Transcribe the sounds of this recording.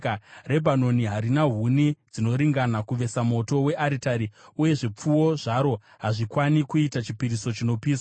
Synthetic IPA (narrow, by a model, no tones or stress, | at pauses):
are̞bʱano̞niɦaɾinaɦunid͡zino̞ɾiŋɡanakuʋe̞samo̞to̞we̞ʔaɾitaɾiuje̞ʐep͡fuwo̞ʐaɾo̞ | ɦaʐikwanikuitat͡ʃipiɾiso̞t͡ʃino̞piːsa